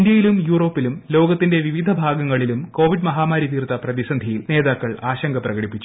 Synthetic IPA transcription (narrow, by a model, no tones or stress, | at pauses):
ndjɐjilumjuːro̞ːpːilumlo̞ːɡɐt̪ːinde̞ʋiʋid̪ʱɐbʱaːɡɐŋːɐɭilumko̞ːʋiɖmɐɦaːmaːɾjit̪iːrt̪ɐprɐðisɐnd̪ʱijilneːðaːkːɐɭaːɕɐŋɡʱɐprɐɣɐɽipːit͡ɕːu